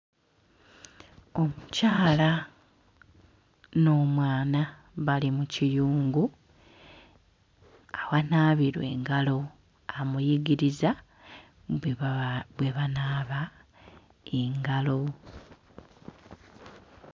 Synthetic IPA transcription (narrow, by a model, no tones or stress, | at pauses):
o̞mucaːla | no̞ːmwaːna | βalimucijuːŋɡu | awanaːβiɾwe̞̰ːŋɡalo̞ | amujiɡiɾiza | βwe̞βanaːβa | eŋɡalo̞